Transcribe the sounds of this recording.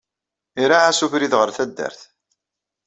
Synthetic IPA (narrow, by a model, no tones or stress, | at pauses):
iɾaʕæsufɾiðʁəɾθæd̪ːə̰ɾθ